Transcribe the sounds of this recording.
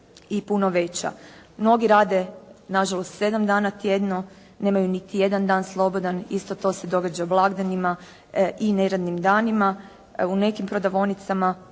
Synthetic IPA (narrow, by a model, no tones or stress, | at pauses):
ipuno̞ʋe̞t͡ɕa̰mno̞ɡiɾaːd̪e̞naʒalˠo̞st̪se̞d̪amd̪aːnat̪je̞d̪no | ne̞ːmajunit̪ije̞d̪and̪aːnslˠo̞bo̞d̪anist̪o̞t̪o̞ːse̞d̪o̞ɡad͡ʑablˠaɡd̪anima | ineɾad̪nimd̪aːnima | une̞kimpɾo̞d̪aʋo̞nit̪sama